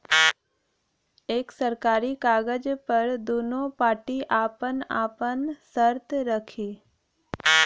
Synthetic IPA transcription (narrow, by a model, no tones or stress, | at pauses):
eːksəɾkaːɾikaːɡəd͡ʒpəɾd̪oːnopaːʈiʔaːpənaːpənsəɾt̪ɾəkʰiː